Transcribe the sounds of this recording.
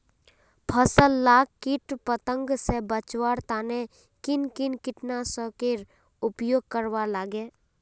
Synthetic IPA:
pʰəsəlːaːkkɪʈpət̪ə̃ŋɡsebət͡ʃwaːɽt̪aːne | kɪnkɪnkɪʈnasəkeɾ | ʊpjoːɡ̚kəɾʋalaːɡeː

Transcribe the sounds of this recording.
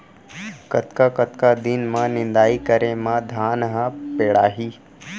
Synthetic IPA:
kɐt̪kakət̪kad̪ɪnmãnɪnd̪aːikəɾemãd̪ʱaːnɦãpeːɽaːɦiː

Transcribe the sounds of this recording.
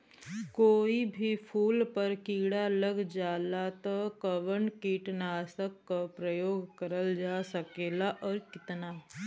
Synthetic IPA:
koːibʱipʰuːlpɐɾkiːɽaləɡd͡ʒaːlat̪akəʋəɳkiːʈnaːsəkːapɾəjoːɡkəɾəld͡ʒaːsəkeːlaʔɔːɾkɪt̪naː

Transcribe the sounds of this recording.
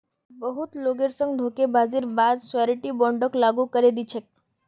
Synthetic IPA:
bəɦut̪loɡeɾsəŋɡɖʱokebʱad͡ziːɾbad̪saɾiʈiːbɔɳɖəklaɡuːkəɾed̪it͡ɕʰek̚

